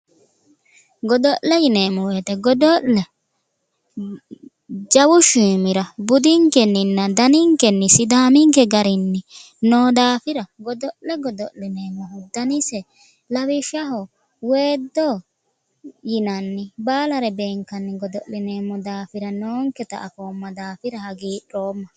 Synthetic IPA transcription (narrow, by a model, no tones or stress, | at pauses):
ɡɔd̪ɔʔɛjɪneːmɔwet̪ɛɡɔd̪ɔʔlɛ | d͡ʒɐwʊʃiːmɪɾɐbʊd̪ɪŋkɛnːɪnːɐd̪ɐnɪŋkɛnːɪsɪd̪aːmɪŋkɛɡɐɾɪnːɪ | noːd̪aːfɪɾɐɡɔd̪ɔʔlːɛɡɔd̪ɔʔlːɪneːmːɔhʊd̪ɐnɪsɛ | lɐwɪʃɐɦɔ | weːd̪ːoː | jɪnɐnːɪbaːlɐɾɛbeːŋkɐnːɪɡɔd̪ɔlːɪneːmːɔd̪aːfɪɾɐnoːŋkɛt̪ɐ̰ʔːfoːmːɐd̪aːfɪɾɐhɐɡiːᶑoːmːɐ